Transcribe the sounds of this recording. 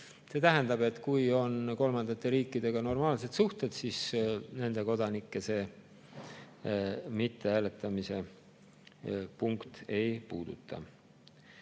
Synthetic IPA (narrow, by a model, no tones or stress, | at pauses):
se̞ːt̪æɦænd̪̥ɑbe̞t̪ːˑkujo̞nko̞lmɑnd̪ɑt̪ːˑe̞ɾiːkːˑid̪̥e̞ɡ̥ɑno̞rmɑːlse̞t̪suht̪e̞d̪̥sisne̞nd̪e̞ko̞d̪ɑnikːˑe̞se̞ː | mit̪ːeæːle̞t̪ˑːɑmise̞ | puŋkt̪e̞jpuːd̪̥ṵt̪ʰːˑɑ̰